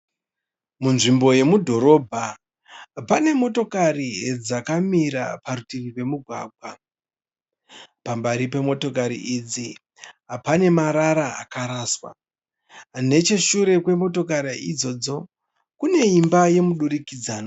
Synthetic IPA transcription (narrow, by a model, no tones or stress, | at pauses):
munʐimbo̞je̞mudʱo̞ɾo̞ːbʱa | pane̞mo̞to̞karied͡zakamiɾa̰paɾutiripe̞muɡʱwa̰ːɡʱwa | pambaɾipe̞mo̞to̞kaɾḭʔid͡zi | ɦapane̞maɾaɾaa̰kaɾaːswa̰ | ne̞t͡ʃe̞ʃuɾe̞kwe̞mo̞to̞k̬aɾaʔid͡zo̞d͡zo̞ | kune̞imbaje̞muɗuɾikid͡zaːno